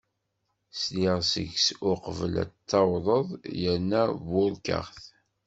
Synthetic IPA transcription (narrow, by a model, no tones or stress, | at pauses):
sliʁsə̰ʝsʊqəvəlæ̰t͡s̪ːɑwðˤəðˤjəɾnævʊɾkə̰ʁθ